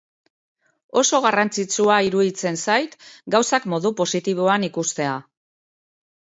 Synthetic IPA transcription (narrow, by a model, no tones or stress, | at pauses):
o̞so̞ɣarant͡sit͡suaiɾuðit͡se̞nsajt̪ɡawsakmo̞ðupo̞sit̪iβ̞o̞anikust̪e̞a